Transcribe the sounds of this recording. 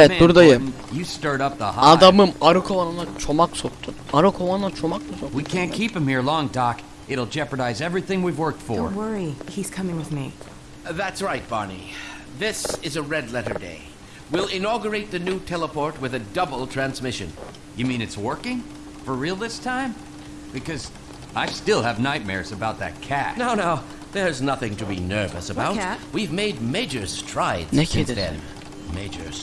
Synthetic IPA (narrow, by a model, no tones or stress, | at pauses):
ɛɛtbuɾd̪ajɯm | jɨstɜ˞ɾʌp̚ðə̰haad̪amɯmaɾukʰovananat͡ʃʰomaksok̚t̪ʰunaɾukʰolannat͡ʃʰomakmasokwikʰæ̃nkʰipɨ̃mhiɹlɔ̃ŋdɑk | ɪɾl̩ˠd͡ʒɛpəɾaɪzɛvɹiθɪ̃ŋwivwɜ˞k̚tfə̰˞wɜ˞ihiz̥kʰʌmɪ̃ŋwɨðmḭ | ðætsɹaɪt̚b̥ɑ̰nḭ | ðɪsɨzəɹɛdˡlɛɾə̰˞dḛɪ | wilˠɪ̃nɑɡjə˞eɪt̪̚ðɨnʉtʰɛlˠəpʰɔɹt̚wɨðɨdʌbl̩ˠtʰɹ̥æ̃nzmɪʃɨ̰̃n | jɨmĩnɨtswɜ˞kɪ̃ŋ | fə˞ɹilˠðɪstʰãɪ̃m | b̥ɨkʰʌz | ʔaɪstɪlˠəvnaɪt̚mɛ̰ɹzɨbaʊt̪̚ðɨ̰t̚kʰætnoʊnaʊ | ðə˞znʌθɪ̃ŋtʰɨbinɜ˞vɨsəbaʊwivmeɪd̚meɪd͡ʒə˞z̥tʰɹ̥aɪdzðɨ̰̃n | meɪd͡ʒə̰˞z̥